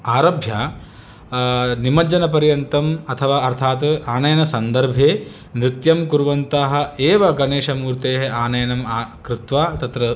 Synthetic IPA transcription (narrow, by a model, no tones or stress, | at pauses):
aːɾɐbʱjaː | nimɐd͡ʒɐnɐpɐɾjɐnt̪ɐmɐt̪ʰɐʋaːɐɾt̪ʰaːt̪aːnɐjɐnɐsɐnd̪ɐɾbʱeː | mɾɪt̪jɐmkuɾʋɐnt̪aːɦɐ̆eːʋɐɡɐneːʃɐmuːɾt̪eːɦɐaːnɐjɐnɐmaːkɾɪt̪ʋaːt̪ɐt̪ɾɐ